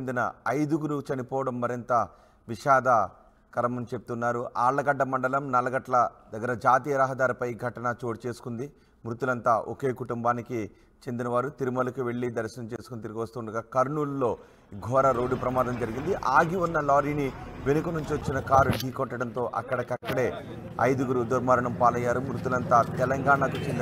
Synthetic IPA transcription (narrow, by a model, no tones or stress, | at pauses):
nd̪inɐ̰ɐjd̪uɡuɾut͡ʃɐnipɔːʋɐɽɐmːɐɾint̪ɐ | ʋiʃaːd̪ɐ | kɐɾɐmɐnt͡ʃe̞put̪unːaːɾuʔaːɭːɐɡɐɖːɐmɐɳɖɐlɐmnɐlɐɡɐʈlɐd̪ɐɡːɐɾɐd͡ʒaːt̪iːjɐɾɐːɦɐd̪aːɾipɐjɡʱɐʈɐnɐt͡ʃo̞ːʈt͡ʃe̞ːsu̥kund̪i | mɾut̪ulɐnt̪aːʔoke̞ːkuʈumbaːniki | t͡ʃe̞nd̪inɐʋaːɾut̪iɾumɐlɐkuʋe̞ɭːid̪ɐɾsɐnɐmt͡ʃe̞ːsu̥kunit̪iɾiɡiʋɐst̪uːɳɖɐɡaːkɐɾɳuːllo̞ː | ɡʱɔːɾɐɾo̞ːɖːupɾɐmaːd̪ɐmd͡ʒɐɾiɡind̪iʔaːɡiʋunːɐlaːɾiːniʋe̞nukɐnuɲt͡ʃiʋɐt͡ʃːinɐkaːɾuɖʱiːkɔʈːɐɽɐnt̪o̞ːʔɐ̰kːɐɽɐkɐkːɐɽe̞ː | ɐ̰jd̪uɡuɾud̪uɐɾmaːɾɐɳɐmpaːlɐjːaːɾumɾut̪ulɐnt̪aːt̪ɛlɐŋɡaːɳɐkut͡ʃend̪i